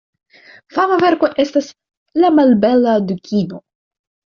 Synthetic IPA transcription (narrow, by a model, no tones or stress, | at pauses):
famave̞ɾko̞ʔe̞stas | lamalbe̞lad̪ukʰʲino